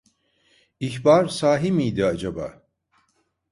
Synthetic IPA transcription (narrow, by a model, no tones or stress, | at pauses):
içbaɾsaːɦimijd̪iad͡ʒaba̰ː